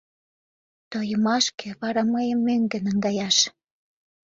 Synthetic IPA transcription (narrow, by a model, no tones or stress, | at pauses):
t̪ojə̆mɑʃkĕβɑɾɑməjəmːøŋɡə̆nəŋɡɑjɑʃ